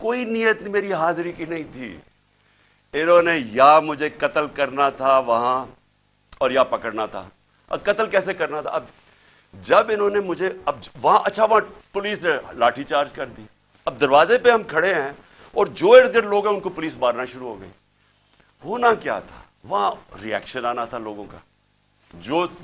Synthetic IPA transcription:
koːinijət̪nimeːɾiɦaːzɾikinɐɦĩt̪ʰḭː | ɪnõːnejaːmʊd͡ʒʱekɐt̪əlkɐɾnat̪ʰaʋɐɦã | ɔːɾjaːpɐkəɽnat̪ʰa̰ː | ɐ̰kɐt̪əlkɛːsekɐɾnat̪ʰa̰ɐb | d͡ʒɐbɪnɦõːnemʊd͡ʒʱeɐbʋɐɦãʔɐtːʃʰaʋɐɦãpʊliːselaːʈʰit͡ʃaːɾd͡ʒkɐɾd̪i | ɐb̚d̪ɐɾʋaːzepeɦɐmkʰɐɽeɦɛ̃ː | ɔːɾd͡ʒoːeːɾd̪əɾloːɡɦɛ̃ʊnkopʊliːsbaːɾnaʃʊɾuɦoːɡɐḭː | ɦoːnakja̰ːt̪ʰḁ̰ː | ʋɐɦãɾiɛ̰ːkʃənaːnat̪ʰaloːɡõka̰ː | d͡ʒoː

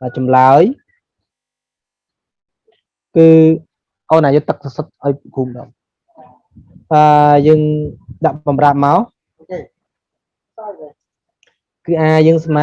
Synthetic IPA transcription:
ʔəːt͡ɕɑmlaəj | kɨː | ʔoːnʔaːjʊt̪ːək̚sasət̪̚ʔaɔjppʰuːmɗa | ʔəːjəːŋɗaʔɓɑmraːp̚maɔ | kɨːʔaːjəːŋsma

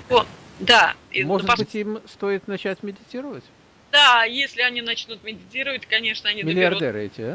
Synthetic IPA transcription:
o | d̪amo̞ʐɨdbɨtʲimst̪o̞ɪt̪nɐt͡ɕætʲmʲɪdʲɪtʲiɾəvətʲ | d̪̥ajesʲlʲɪɐnʲinɐt͡ɕnut̪̚mʲɪdʲɪtʲiɾəvətʲkɐnʲe̞ʂnəɐnʲimʲɪlʲɪɐrd̪ɛɾɨɛ̰tʲɪ

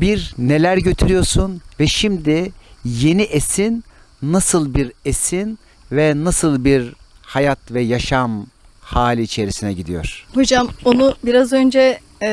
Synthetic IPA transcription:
biɾne̞lʲæɾɟøt̪ʰyɾyjo̞ɾsunvɛʃimd̪ije̞niʔesinː | asɯlˠbiɾesin | vɛnasɯlˠbiɾ | hajat̪vɛjaʃam | haːlʲiːt͡ʃʰe̞ɾisinɛɟid̪ijo̞̰ɾ̥hod͡ʒamonubiɾazø̞nd͡ʒɛ

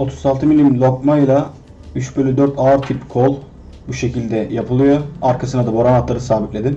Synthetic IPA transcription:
o̞t̪ʰu̥zalˠt̪ʰɯmilʲimmlʲˠo̞kmajlˠa | yt͡ʃbølʲyd̪øɾt̪ʰaɾt̪ʰipkʰolˠ | buʃe̞cilʲd̪ɛjapʰɯlˠɯjo̞aɾkʰasɯnad̪abo̞ɾamat̪lˠaɾɯsaːbit̪lʲe̞d̪in

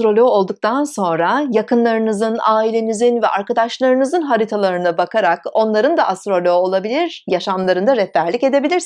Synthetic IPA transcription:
ɾo̞lʲo̞ːlˠd̪uk̚t̪ʰanso̞nɾajakʰɯnlˠaɾɯnɯzɯnaːilʲe̞nizinvɛʔaɾkad̪aʃlˠaɾɯnɯzɯnɦaɾit̪ʰalˠaɾɯnɯbakʰaɾako̞nlˠaɾɯnd̪aʔast̪ɾo̞lʲoolˠabilʲiɾ̥jaʃamlˠaɾɯnd̪aɾɛtt̪ːæɾlʲikce̞d̪e̞bilʲiɾ

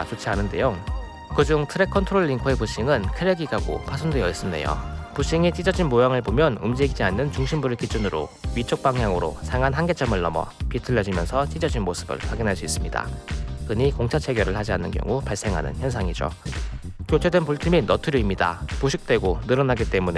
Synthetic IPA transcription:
t͡ɕot͡ɕʰianɯnde̞̰jo | kɯd͡ʑuŋtʰɯɾe̞kʰʌntʰɯɾoɭːiŋkʰoepuɕ͈iŋɯnkʰɯɾeɡiɡaɡo̰pʰasʰundwejʌis͈ɯnne̞̰jo̰puɕ͈iŋit͡ɕ͈ʰid͡ʑʌd͡ʑinmojaŋɯɭbomjʌnɯmd͡ʑeɡid͡ʑianːɯnt͡ɕuŋɕʰimbuɾɯɭkid͡ʑunɯɾo̰ɥit͡ɕʰok̚paŋjaŋɯɾo̰sʰaŋɦanɦanɡe̞t͡ɕʰʌmɯɭnʌmʌ̰pitʰɯɭːʌd͡ʑimjʌnsʰʌt͡ɕ͈id͡ʑʌd͡ʑinmosʰɯ̥bɯ̰ɭpaɡinɦaɭs͈uis͈ɯmɲida̰kɯɲikoŋt͡ɕʰat͡ɕʰe̞ɡjʌɾɯɭhad͡ʑia̰nːɯnkjʌ̰ŋupaɭs͈e̞ŋɦa̰nɯ̰nçjʌnsʰaŋid͡ʑo̰ | kjot͡ɕʰedwenpuɭtʰiminʌtʰɯɾjoimɲida̰puɕʰik̚t͈we̞ɡonɯɾʌnaɡit͈e̞mune̞

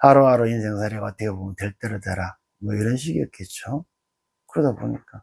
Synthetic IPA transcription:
aɾoaɾoinsʰe̞ŋsʰaɾeɡaʌt͈əkʰebomntweɭt͈eɾotaɾa | mʌiɾʌnɕ̬ʰiɡiʌt̚k͈e̞t̚t͡ɕ͈o | kɯɾʌdabo̰ɲik͈a

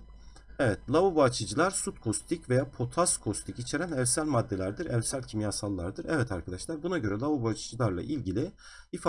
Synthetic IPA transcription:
evɛt̪̚lˠavubat͡ʃʰɯd͡ʒɯlˠaɾsut̪kʰo̞st̪ʰicve̞jaːpʰo̞t̪ʰaskʰo̞st̪ʰicit͡ʃʰe̞ɾænæɾsælʲmad̪ːe̞lʲæɾd̪iɾæɾsælʲcʰimjaːsalˠːaɾd̪ɯɾɛvɛt̪ʰaɾkʰad̪aʃlˠaɾbunaɟø̞ɾɛlˠavubat͡ʃʰɯd͡ʒɯlˠaɾlˠa̰ʔilʲɟilʲi | if

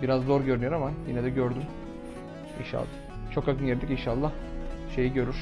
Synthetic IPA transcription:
biɾazd̪o̞ɾɟøɾynyjoɾamajinɛd̪ɛɟøɾd̪ym | ḭnʃa̰lˠː | t͡ʃʰo̞kakʰɯnjeɾd̪icinʃalˠːahʃe̞jiɟø̞ɾyɾ̥

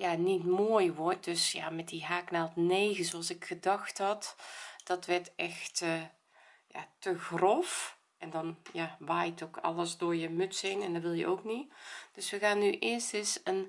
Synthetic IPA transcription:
jaːnitmoːəjʋɔrt̚d̥øsja̰mɛt̚diɦaːknalˠtneːɣəsoɑlˠsɪkxədɑxthɑtd̥ɔtʋɛrtɛxtə | ja̰təɣrɔf | ɛndɔnjaʋaːjtʰokʰɑ̰lˠəsdoːɹjəmɵtsɪnɛndɔʋɪlˠjə̰ʔowknid̥øsʋəɣaːnːyʔɪəstəsən

